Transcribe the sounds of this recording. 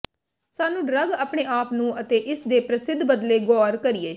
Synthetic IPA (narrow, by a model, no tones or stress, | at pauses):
saːnũːɖɾəɡaːpɳeːʔaːpnũːʔət̪eːʔɪsd̪eːpɾəsɪd̪ʱbəd̪leːɡɔːɾkəɾieː